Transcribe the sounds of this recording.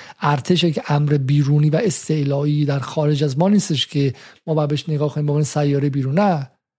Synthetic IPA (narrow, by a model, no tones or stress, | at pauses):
ʔæɾt̪ʰe̞ʃ̬ecʰʔæmɾebiːɾuːniːvæʔest̪e̞ʔlɒːiːd̪æɾxɒːɾe̞d͡ʒæzmɒːniːst̪e̞ʃcʰemɒːbæbeeʃneɡɒːkʰoniːmboːmeninsæjːɒːɾejbiːɾuːnːæ